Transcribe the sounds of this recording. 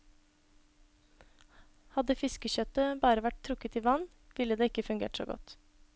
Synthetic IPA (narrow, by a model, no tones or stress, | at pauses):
hɑd̪əfɪskəçœt̪əbɑːɾəʋæʈ̚t̪ʰɾʊkət̪iːʋɑn | ʋɪləd̪eːɪkəfʉŋɡḛːʈso̰ːɡɔ̰t̪